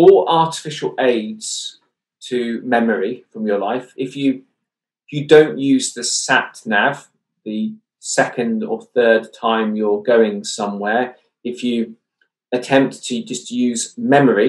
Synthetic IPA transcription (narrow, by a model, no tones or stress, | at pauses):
əʔɑˑtɪ̥fɪʃəleɪdz̥ | tʰəmɛməɹifɹə̃mjəlaɪfɪfjə | jədə̃ʊ̃nʔjʉːzðəsaʔnav | ðə | sɛkə̃ndə̰θɜːd̚tʰãɪ̃mjəɡəʊɪ̃ŋsʌ̃mwɛːɹ | ɪfjə | ətʰɛ̃mp̚tʰəd͡ʒʌstjʉːzmɛməɹi